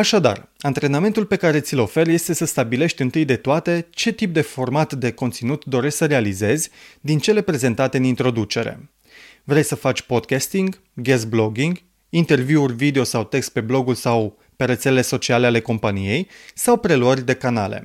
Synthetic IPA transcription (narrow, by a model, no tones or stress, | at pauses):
aʃad̪a̰rant̪ɾe̞name̞nt̪ulpe̞kaɾe̞t̪sʲilo̞fe̞rje̞st̪e̞səst̪abile̞ʃt̪ʲɨnt̪ɨjd̪e̞t̪oat̪e̞t͡ʃe̞t̪ip̚d̪e̞fo̞rmat̪d̪e̞ko̞nt̪sinut̪d̪o̞ɾe̞ʃʲsəɾe̞alize̞zʲd̪int͡ʃe̞le̞pɾeze̞nt̪at̪e̞ɨnint̪ɾo̞d̪ut͡ʃe̞ɾe̞̰ | vɾe̞jsəfat͡ʃʲpo̞d̪kʲast̪iŋɡ | ɡest̪̚blo̞ɡiŋɡ | int̪e̞rvjiurʲvid̪eo̞sawt̪e̞kst̪̚pe̞blo̞ɡulsaw | pe̞ɾe̞t̪selele̞so̞t͡ʃialeale̞ko̞mpanije̞jsawpɾe̞luərʲd̪e̞kanale̞̰